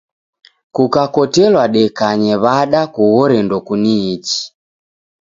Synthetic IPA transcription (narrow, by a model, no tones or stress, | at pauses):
kukakɔtɛlwaɗɛkaɲɛβaɗakuɣɔɾɛndɔkuniːt͡ʃi̥